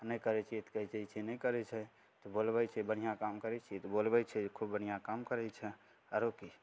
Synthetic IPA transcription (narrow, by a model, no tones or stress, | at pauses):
nəjkəɾɛt͡ʃʰiet̪kəɦit͡ʃɛit͡ʃʰinəjkəɾɛt͡ʃʰɛ | t̪ɔbolbɛt͡ʃʰɛbənijãkamkəɾɛt͡ʃʰit̪ɔbolbɛt͡ʃʰɛkʰubbən̤ijãkamkəɾɛt͡ʃʰɛ | əɾoki